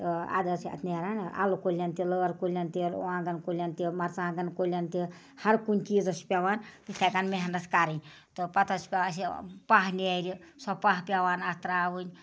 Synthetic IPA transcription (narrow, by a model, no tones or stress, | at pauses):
a̰ːd̪ɐsɐ̰t̪ʰniɐɾaːna̰lokolʲjant̪iləɾkolʲjant̪iɾ̰ãːɡɐnkolʲant̪imɐɾt͡sãːɡɐnkolʲant̪i | hɐɾkunʲt͡ʃiːzɐspʲaʋaːnt̪it̪ʰakanmeɦɐnɐskaːɾɐnʲ | t̪ɔpɐt̪ɐspʲaɐsipaːɦniajɾisɔbpaɦpʲaʋaːnast̪ɾaːʋunʲ